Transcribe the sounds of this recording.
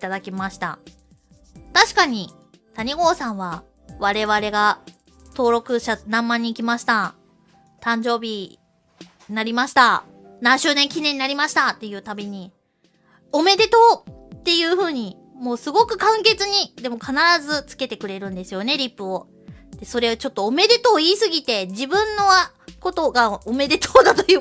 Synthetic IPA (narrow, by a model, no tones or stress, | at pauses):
t̪ad̪akʲimaɕi̥t̪a̰ | t̪aɕi̥kaɲ̟i | t̪aɲ̟iɡo̞ːsãɰ̃βa | βaɾe̞βaɾe̞ɡa | t̪o̞ːɾo̞kɯ̟ɕanãmːaɲ̟iːkʲimaɕi̥t̪a | t̪ãɲ̟d͡ʑo̞ːbʲi | naɾʲimaɕi̥t̪a | nãɰ̃ɕɨːnẽ̞ŋkʲinẽ̞ɲ̟inaɾʲimaɕi̥t̪at̪ːe̞jɯ̟ːt̪abʲeɲ̟i | o̞me̞d̪e̞t̪o̞ːt̪ːe̞jɯ̟ːɸɯ̟ːɲ̟i | mo̞ːsɨɡo̞kɯ̟kãŋke̞t͡sɨɲ̟id̪e̞mo̞kʰanaɾazɨt͡sɨ̥ke̞t̪e̞kɯ̟ɾe̞ɾɯ̟̃nd̪e̞sɨjo̞ne̞ɾʲipːɯ̟o̞ | d̪̥e̞so̞ɾe̞ot͡ɕo̞t̪ːoːme̞d̪e̞t̪o̞ːiːsɨɡʲit̪e̞d͡ʑibɯ̟̃nːo̞a | ko̞t̪o̞ɡaome̞d̪e̞t̪ʰoːd̪at̪o̞jɯː